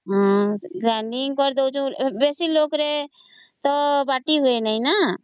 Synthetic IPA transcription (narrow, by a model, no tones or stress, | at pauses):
ɦãɡɾaɳɖiŋɡkəɾd̪ewt͡ʃʰũbesilokɾet̪ɔbaʈiɦoenəjna